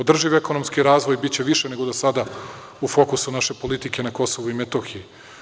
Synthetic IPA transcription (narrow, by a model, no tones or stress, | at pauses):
od̪r̩ʒiʋeko̞no̞mskiɾaːzʋo̞jbit̪t͡ɕeʋiʃene̞ɡo̞d̪asad̪a | ufo̞kusunaʃe̞po̞lit̪ike̞nako̞so̞ʋuimet̪oxiji